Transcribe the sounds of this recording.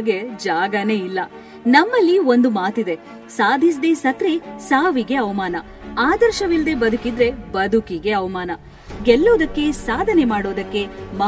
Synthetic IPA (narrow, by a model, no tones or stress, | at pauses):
ɡed͡ʒaːɡɐne̞ːilːɐ | nɐmːɐlːio̞nd̪umaːt̪id̪e̞ | saːd̪ʱis̬d̪e̞ːsɐt̪ɾesaːʋiɡe̞ɐʋɐmaːnɐ | aːd̪ɐɾʃɐʋild̪ebɐd̪ʱukid̪ɾe̞bɐd̪ʱukiɡe̞ɐʋɐmaːnɐ | ɡɛlːoːd̪ɐkːe̞saːd̪ʱɐnemaːɽo̞ːd̪ɐkːe̞mɐ